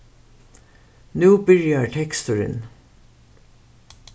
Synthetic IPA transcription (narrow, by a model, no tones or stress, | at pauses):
nʉːbʏljɑʈʰɛkst̪ʉɾə̰n